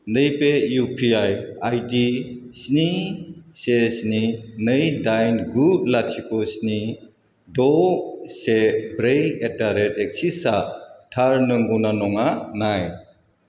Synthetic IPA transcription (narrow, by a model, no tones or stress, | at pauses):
nɯjpejupʰiajajdisnisesninɯjdajnɡud̚latʰikosni | dɔsebɾejetaɾetek̚sisatʰaɾnɯŋɡunanɔŋanaj